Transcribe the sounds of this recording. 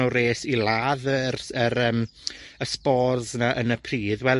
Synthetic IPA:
ɔreːsilˠaːðərəɾəːməspɔrðnaʔənəpʰriːðwɛl

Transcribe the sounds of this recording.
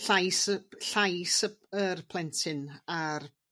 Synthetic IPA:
ɬajsɬajsəərpʰlˠɛntʰɪnar

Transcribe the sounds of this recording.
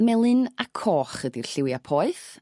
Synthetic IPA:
mɛlˠɨnakʰɔːχədirɬɪwjapʰɔːɨθ

